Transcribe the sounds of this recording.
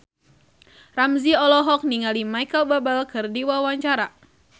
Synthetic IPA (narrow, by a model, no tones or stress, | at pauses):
ramziɔlɔɦɔk̚niŋalimajkəlbabəlkɨrdiwawaɲt͡ʃaɾa